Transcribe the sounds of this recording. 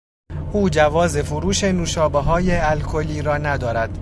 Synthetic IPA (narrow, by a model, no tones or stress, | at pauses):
ʔuːd͡ʒævɒːze̞fuɾuːʃenuːʃɒːbeɦɒːjeælkʰoliːɾɒːnæd̪ɒːɾæd̪̥